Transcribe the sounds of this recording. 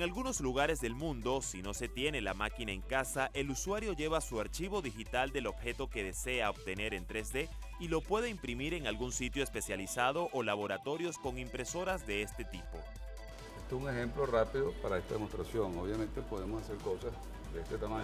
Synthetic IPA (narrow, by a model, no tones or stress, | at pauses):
eŋalɣuno̞zluɣaɾe̞zðe̞lmũnd̪o̞sino̞se̞t̪je̞ne̞lamakinae̞ŋkasaʔe̞luswaɾjo̞ʝe̞βasuaɾt͡ʃiβo̞ðixit̪ald̪e̞lo̞bxe̞t̪o̞ke̞ðe̞se̞aob̚t̪e̞ne̞ɾe̞nt̪ɾe̞zðe̞ | ilo̞pwe̞ð̞eimpɾimiɾe̞ŋalɣunsit̪jo̞espe̞sjalisað̞o̞ʔolaβo̞ɾat̪o̞ɾjo̞sko̞ŋimpɾe̞so̞ɾazðe̞e̞st̪e̞t̪ipo̞̰ | est̪osuŋe̞xe̞mplo̞rapiðopaɾaest̪aðemost̪ɾasjo̞ŋoβjamẽnt̪epoð̞emosaseɾko̞sas | d̪eest̪et̪amãɲ